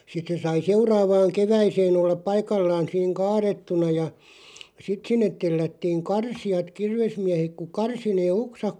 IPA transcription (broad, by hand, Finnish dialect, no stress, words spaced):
sit se sɑi seurɑːʋɑːŋ keʋæiseːn olːɑp̆ pɑikɑlːɑːn̞ siːŋ kɑːretːunɑ jɑ sit sinːet telːætːiːŋ kɑrsij̆ɑt kirʋesmiæhek ku kɑrsi neː oksɑk